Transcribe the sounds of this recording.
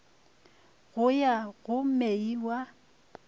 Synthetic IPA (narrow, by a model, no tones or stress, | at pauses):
ɣʊjaɣʊmeiwa